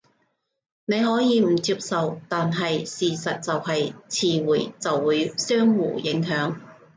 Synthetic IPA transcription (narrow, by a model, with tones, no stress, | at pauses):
ne˨˧jɦɔː˨˥jiː˨˧m̩˨˩t͡si˧p̚sɐ˨wt̪aː˨nɦɐ˨jsiː˨˩sɐ˨t̚t͡sɐ˨whɐ˨jt͡sʰiː˧wuː˨˩jt͡sɐ˨wːuː˨˧˥jsœː˥ŋwuː˨˩jɪ˨˥ŋɦœː˨˥ŋ